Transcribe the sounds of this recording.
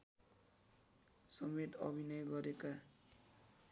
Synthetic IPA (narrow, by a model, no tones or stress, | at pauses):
sʌmet̪ʌ̰bʱinʌjɡʌɾeka